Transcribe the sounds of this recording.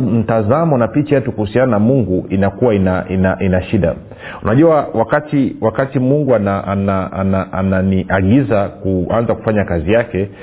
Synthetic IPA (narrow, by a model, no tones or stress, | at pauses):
m̩tazamɔnapit͡ʃajɛtukuhusiananamuŋɡuʔinakuwainaʔinaʔinaʃiɗa̰ | unaʄuawakatiwakatimuŋɡuanaʔanaanaʔa̰naniʔaɠizakuanzaku̥faɲakazijakɛ